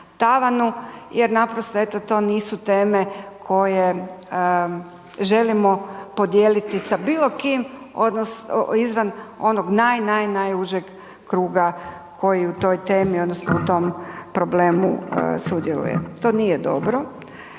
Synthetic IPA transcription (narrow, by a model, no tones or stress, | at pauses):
t̪aʋanujeɾnapɾost̪oe̞t̪ot̪o̞ːniːsut̪e̞ːmekʰo̞je̞ | ʒe̞limo̞pod̪jeːlit̪isabiːlˠo̞kim | od̪nosizʋano̞noɡnajnajnajuʒjeɡ | kɾuːɡa | kʰo̞jiut̪o̞jt̪e̞ːmiod̪nosnout̪o̞mpɾoble̞ːmṵsud̪jelṵjḛt̪o̞ːnijed̪o̞̰bɾo